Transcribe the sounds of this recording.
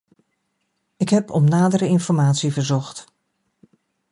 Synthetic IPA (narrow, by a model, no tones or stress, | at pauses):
ɪkɦɛpʰɔmnaːdəɾəɪnfɔɹmaːtsivəɹzɔχt